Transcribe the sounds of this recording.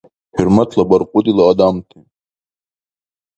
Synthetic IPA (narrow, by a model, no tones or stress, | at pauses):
hiɾmat̪ʰlabɐɾqud̪ilaːd̪amt̪ʰi